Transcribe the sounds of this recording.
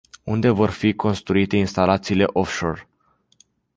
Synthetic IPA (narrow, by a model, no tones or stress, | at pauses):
und̪e̞vo̞rfiko̞nst̪ɾuit̪e̞inst̪alat̪siːle̞ʔo̞fʃo̞r